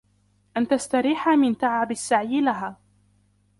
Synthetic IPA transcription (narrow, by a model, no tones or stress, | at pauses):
ʔant̪ast̪aɾiːħamɪnt̪aʕʕabasːaʕjɪlaɦaː